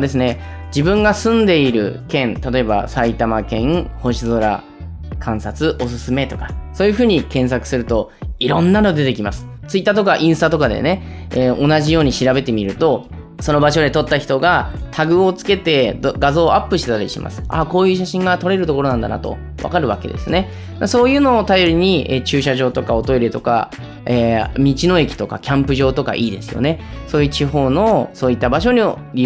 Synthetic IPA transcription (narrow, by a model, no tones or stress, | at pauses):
d̪e̞sɨne̞ | d͡ʑibɯ̟̃ŋɡasɨ̃nd̪e̞iɾɯ̟̰kẽ̞nt̪at̪o̞e̞ba̰sait̪amakẽ̞ŋho̞ɕizo̞ɾa̰ | kʰãɰ̃sat͡sɨʔo̞s̬ɨ̥sɨme̞t̪o̞kḁsoːjɯ̟ɸɯ̟ːɲ̟ikẽ̞ɰ̃s̬akɯ̟sɨɾɯ̟t̪o̞iɾõ̞nːano̞d̪e̞t̪e̞kʲimasɨ̥t͡sɨit̪ːaːt̪o̞kaʔĩɰ̃sɨt̪at̪o̞kad̪e̞̰ne̞ | eo̞naʑijo̞ːɲ̟iɕiɾabe̞t̪e̞mʲiɾɯ̟t̪o̞ | so̞no̞baɕo̞d̪e̞t̪o̞t̪ːaçi̥t̪o̞ɡat̪ʰaɡɯ̟o̞t͡sɨ̥ke̞t̪e̞d̪ɡazo̞ːʔapːɯ̟ɕi̥t̪et̪aɾʲḭɕima̰sɨ̥a̰ko̞ːjɯːɕ̬aɕĩŋɡat̪o̞ɾe̞ɾɯt̪o̞ko̞ɾo̞nãnd̪a̰na̰t̪o̞̰ | βa̰kaɾɯ̟βake̞d̪e̞sɨne̞ | d̪aso̞ːjɯ̟ːno̞ːt̪ajo̞ɾʲiɲ̟ieːt͡ɕɨːɕaʑo̞ːt̪o̞kao̞t̪o̞iɾet̪o̞ka̰ | eːmʲit͡ɕino̞e̞kʲi̥t̪o̞ka̰kʲãmpɯ̟ʑo̞ːt̪o̞ka̰ʔiːd̪e̞sɨjo̞̰ne̞soːjɯ̟ːt͡ɕiɦo̞ːno̞so̞ːit̪ːabaɕo̞ɲ̟ioɾʲi